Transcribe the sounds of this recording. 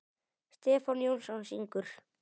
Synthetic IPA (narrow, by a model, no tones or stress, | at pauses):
st̪ɛːfɔnjowlsɔnsiŋkʏɾ̥